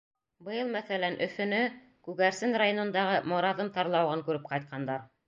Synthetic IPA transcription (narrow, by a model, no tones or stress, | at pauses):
bɤ̆jɤlˠmæθælænʔɵ̆fɵ̆nɵ | kʉɣæɾsɘnrajonɤ̆nd̪ɑʁɤmŏɾɑðɤmt̪ɑɾlˠɑwʁɤŋkʉɾɘp̚qɑjt̪̚qʰɑnd̪ɑɾ